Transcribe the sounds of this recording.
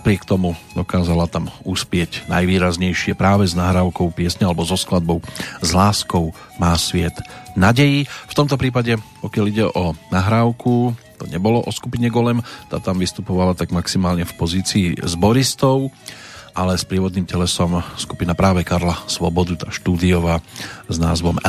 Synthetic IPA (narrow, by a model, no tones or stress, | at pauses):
napɾɪɛkt̪ɔmud̪ɔkaːzalat̪amuspɪɛɟna̰jʋiːɾazɲɛjʃɪɛpɾaːʋɛznaɦɾaːʊkɔʊpɪɛsɲɛalɛbɔzɔsklad̪̚bɔʊzlaːskɔʊ | maːsʋɪɛd̪naɟɛjift̪ɔmt̪ɔpɾiːpaɟɛpɔkɪaliɟɛʔɔnaɦɾaːʊkut̪ɔɲɛbɔlɔʔɔskupiɲɛɡɔlɛmt̪a̰ːt̪amʋist̪upɔʋalat̪aɡmaksimaːlɲɛfpɔziːt͡siːzbɔɾist̪ɔʊʔalɛspɾɪɛʋɔd̪niːmcɛlɛsɔmskupinapɾaːʋɛkaɾlasʋɔbɔd̪ut̪aːʃt̪uːd̪iɔʋaːzna̰ːzʋɔm